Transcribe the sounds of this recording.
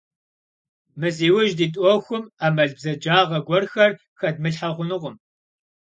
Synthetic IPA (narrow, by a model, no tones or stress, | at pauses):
mɨziːwʊʒdiːtʼɔxʷʊmaːmɐɮbzɐd͡ʒaːʁɐɡʷɔrxɐr | xɐd̚mɨɬħɐʁʷʊnɨʁʷʊm